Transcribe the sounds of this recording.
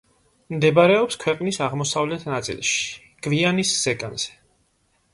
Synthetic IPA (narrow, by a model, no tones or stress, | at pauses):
md̪ɛbaɾɛɔpskʰwɛqʼnisaʁmɔsavlɛt̪ʰnat̪sʼḭlˠʃi̥ | ɡ̥vianisz̥ɛkʼa̰nz̥ɛ̥